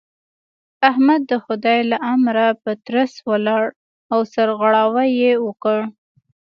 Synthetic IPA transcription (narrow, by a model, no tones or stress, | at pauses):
ahmad̪̚ːəxʊd̪ɑjlaʔamɾapət̪ɾaswəlɑɽ | awsaɾɣaɽɑwajewəkəɽ